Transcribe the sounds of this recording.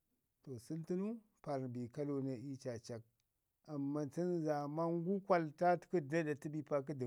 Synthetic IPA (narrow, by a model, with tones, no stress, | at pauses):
to˨su˦lti˦nu˦ | pa˨ɾbi˨ka˦lo˦na˦i˦t͡ʃa˨t͡ʃa˨k̚ | a˨mːa˦t͡si˦nza˨ma˦ŋɡu˦kʷa˨lta˦tku˦˨na˦da˨ti˦bi˦pa˦k̬i˦də˨